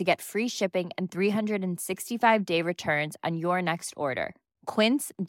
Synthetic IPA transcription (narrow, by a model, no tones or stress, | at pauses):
ɨɡɛtfɹiʃɪpɪ̃ŋɨ̰̃nθɹiɦʌ̃ndɹɨɾɨ̃nsɪkstifaɪvdeɪɹɨtʰɜ̃˞nz̃n̩jə˞nɛkstɔ̰ɹɾə̰˞ | kʰw̥ɪ̃ns